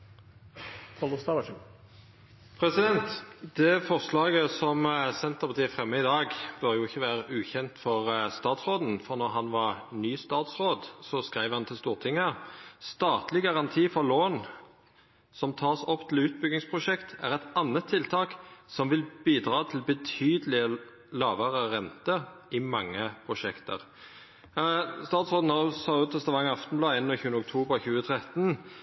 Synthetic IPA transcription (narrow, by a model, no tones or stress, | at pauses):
k̪ʰɑləst̪ɑʋɑʃ | pʰɾɛsɪd̪ɛnt̪d̪ɛfɔʁslɑːɡəsɔmsɛnt̪əʁpɑʁt̪ʰiːfʁɛmːəɪd̪ɑːɡbœʁjʊɪçːəʋæːʁəʔʉːçɛnt̪fɔʁst̪ɑːt̪sʁoːd̪n̩fɔʁnɔʁɦɑnʋɑʁnyːst̪ɑːt̪sʁoːd̪sɔskʁæɪʋhɑnt̪ʰɪlst̪uːʁt̪ʰɪŋːəst̪ɑːt̪lɪɡɑʁɑnt̪ʰiːfɔʁloːn | sɔmt̪ʰɑːsɔpːt̪ʰɪl̩ʉːt̪̚bʏɡɪŋspʰʁʊʃɛkt̪ʰæʁɛt̪ɑnːət̪ʰːɪlt̪ʰɑːksɔmʋɪlbiːd̪ʁɑːt̪ʰɪlbət̪ʰyːd̪əlɪə | lɑːʋəʁəʁɛnt̪əʔɪmɑŋːəpʰʁʊʃɛkt̪ʰə̰ʁ | st̪ɑːt̪sʁoːd̪n̩hɑsɑʉt̪ʰɛst̪ɑʋɑŋːɑft̪n̩blɑːeːnːɔçʉːənʊk̚t̪ʰuːbəʁçʉːət̪ʰʁɛt̪n